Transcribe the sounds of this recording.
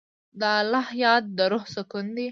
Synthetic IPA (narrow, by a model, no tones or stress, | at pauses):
d̪əlɑhjɑt̪̚d̪əɾohsəkʊnd̪i